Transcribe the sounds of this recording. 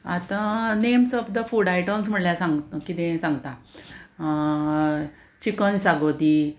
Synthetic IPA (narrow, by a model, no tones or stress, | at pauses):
at̪ãnemsɔbd̪əfuɽajʈəmsm̤əɽljasãŋɡkit̪ẽsãŋɡt̪a | t͡ɕikənsaɡod̪iː